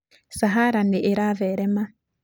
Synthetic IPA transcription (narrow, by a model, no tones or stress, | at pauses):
saɦaɾaneʔeɾaβeɾema